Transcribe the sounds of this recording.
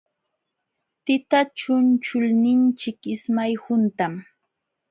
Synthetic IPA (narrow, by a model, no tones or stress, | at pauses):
t̪ɪt̪at͡ʃʊnt͡ʃʊlnɪnt͡ʃɪkɪsmajhʊnt̪am